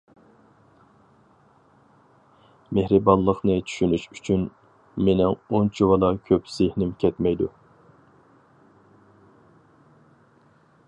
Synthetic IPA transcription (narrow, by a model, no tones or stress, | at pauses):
mehɾɨbɑllˠːəqnɨt͡ʃʰy̥ʃynyʃyt͡ʃʰyn | menɪŋont͡ʃʰiwɑlˠɑkʲʰøpz̥ɪhnɪmkʲʰɛt̪mɛjd̪u